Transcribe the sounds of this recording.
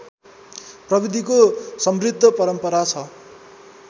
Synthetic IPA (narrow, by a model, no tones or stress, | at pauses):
prʌbid̪ʱikosʌmrid̪ʱːʌpʌɾʌmpʌɾat͡sʰʌ